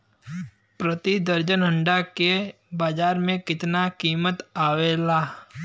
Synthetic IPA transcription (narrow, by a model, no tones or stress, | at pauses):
pɾət̪id̪əɾd͡ʒənɦə̃ɳɖake | baːd͡ʒaːɾmẽkɪt̪nakiːmət̪aːweːlaː